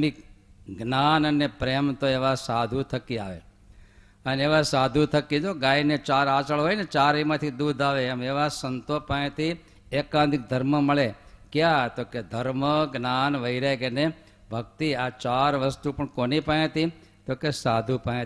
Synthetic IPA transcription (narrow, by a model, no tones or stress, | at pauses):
iɡnanənepɾemt̪oeʋasad̪ʱut̪ʰəkːia̰ʋḛ | əneʋasad̪ʱut̪ʰəkːit̪oɡainet͡ʃaɾat͡ʃəɭɦoinet͡ʃaɾimãt̪ʰid̪ud̪ʱaʋeːmeʋasənt̪opə̃ẽt̪ʰi | ekãd̪ɪk̚d̪ʱəɾməməɭekjat̪oked̪ʱəɾməɡnanʋəiɾekene | bʱək̚t̪iat͡ʃaɾʋəst̪upəɳkonipə̃ẽt̪i | t̪okesad̪ʱupə̃ẽ